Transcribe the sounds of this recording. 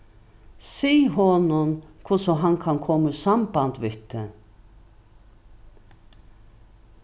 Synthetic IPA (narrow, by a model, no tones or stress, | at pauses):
siːɦɔnʊnkʰʊsɔɦankʰankʰɔməsambant̪ʋɪht̪ə